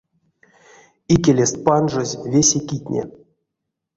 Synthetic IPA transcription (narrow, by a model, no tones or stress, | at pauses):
ikʲelʲest̪̚panʐozʲvʲesʲekʲit̪ʲnʲḛ